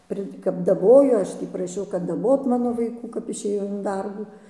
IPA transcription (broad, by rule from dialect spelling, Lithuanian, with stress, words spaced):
ˈpʲrʲɪ kɐp dɐˈboːjoː ˈɐʃ tʲiː prɐˈʃʲɛʊ kɐt dɐˈboːt ˈmɑːnoː ʋɐɪˈkuː kɐp ɪʃʲeːˈjɛʊ ɪn ˈdɐrbuː